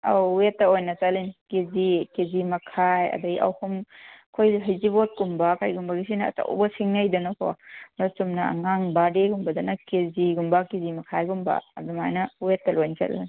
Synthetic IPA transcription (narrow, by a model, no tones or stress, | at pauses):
awwetːɐojnɐt͡ʃalinkezikezimɐkʰajɐ̰dɐɡiʔɐ̰wkʰumkʰojɦɐjzibot̚kumbakʰajɡumbaɡis̬inɐ̰ːta̰w̰bɐsiŋnɐjdɐnɐkʰoasumnɐɐ̰ŋaŋbadeɡumbɐdɐnɐkeziɡumbakizimɐkʰajɡumba̰ːdumajnɐwetːɐlojnt͡ʃɐ̰llin